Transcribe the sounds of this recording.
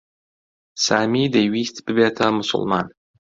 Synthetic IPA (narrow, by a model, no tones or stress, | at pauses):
saːmid̪ɐjwist̪b̥ɨbet̪ʰɐmʊsʊ̰lˠma̰ːn